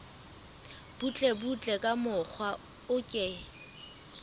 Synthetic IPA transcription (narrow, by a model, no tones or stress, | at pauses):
b̥ut͡ɬʼebut͡ɬʼɛkʼamʊk͡xʰwa | ʊkʼɛ